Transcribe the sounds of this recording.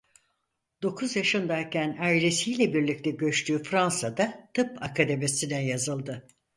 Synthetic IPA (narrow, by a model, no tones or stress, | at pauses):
d̪̥o̞kʰuzjaʃɯnd̪ajcʰænajɾesijlʲɛbiɾlʲic̚t̪ʰɛɟø̞t͡ʃt̪ʰyːfɾansad̪at̪ʰɯpakʰad̪e̞mesinɛjazɯlˠd̪ɯ